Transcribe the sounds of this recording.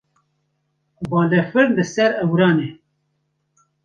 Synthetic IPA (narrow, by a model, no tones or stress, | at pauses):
bɑːlɛfɨɾnd̪ɨsɛɾɛwɾɑːne